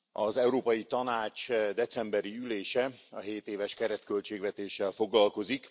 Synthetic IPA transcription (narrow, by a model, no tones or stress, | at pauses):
ɒzɛuɾoːpɒjit̪ɒnaːt͡ʃd̪ɛt̪sɛmbɛɾiyleːʃɛɒɦeːt̪eːvɛʃkɛɾɛt̪kø̞lt͡ʃeːɡʋɛt̪eːʃːɛlfo̞ɡlɒlko̞zik